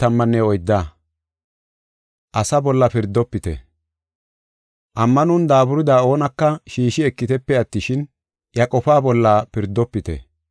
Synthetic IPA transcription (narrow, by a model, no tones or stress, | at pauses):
t̪ɐmːɐnːɛɔjd̪ːaː | ʔɐsɐbɔlːɐpɪɾd̪ːɔpːɪt̪ɛ̰ | ʔɐmːɐnʊnd̪aːbʊɾɪd̪aːo̞ːnɐkːɐʃiːʃɪɛkːɪt̪ɛpːɛɐt̪ːɪʃɪn | jɐkʼɔfaːbɔlːaːpɪɾd̪ːɔpːɪt̪ɛ̰